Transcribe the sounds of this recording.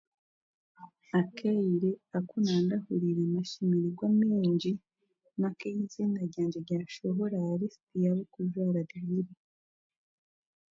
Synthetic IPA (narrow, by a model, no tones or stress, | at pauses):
akʰejiɾeakunaːndahuɾiɾenaʃimiɾiɡwameɲɟi | makejiziːnaɾɟaːɲd͡ʒeɾɟaːʃoɦoɾaɾestijaβokuʒwaːɾaɡahiɾi